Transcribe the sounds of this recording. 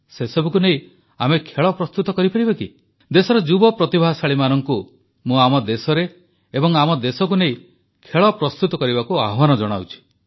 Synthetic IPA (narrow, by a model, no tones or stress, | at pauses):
sesɔbukunei | amekʰeɭɔpɾɔst̪ut̪ɔkɔɾipaɾibeki | d̪esɔɾɔd͡ʒubɔpɾɔt̪ibʱaɦsaɭimanɔŋku | mũamɔd̪esɔɾe | ebɔŋamɔd̪esɔkunei | kʰeɭɔpɾɔst̪ut̪ɔkɔɾibakuaɦɔbanɔd͡ʒɔɽ̃a̰wt͡ʃʰi̥